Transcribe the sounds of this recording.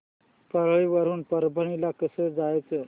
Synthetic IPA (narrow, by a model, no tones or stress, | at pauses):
pəɾɭiʋəɾuːnpəɾbʱəɳ̃ilakəsəd͡zajt͡sə